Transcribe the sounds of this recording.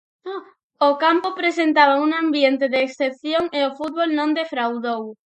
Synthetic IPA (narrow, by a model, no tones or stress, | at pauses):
ʊkampʊpɾesent̪aβauŋãmbjent̪ɪðeːksθepθjoŋeofut̪̚βolnõŋd̪efɾawðow